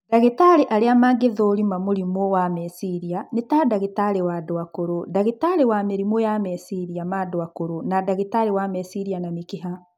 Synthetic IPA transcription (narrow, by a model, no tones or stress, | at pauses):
daɣetaɾeʔaɾeamaːɡeðoːɾimamuɾimowamɛsiɾianetaːdaɣetaɾewadoakoɾodaɣetaɾewameɾimojamɛsiɾiamadoakoɾonadaɣetaɾewamɛsiɾianamikeɦa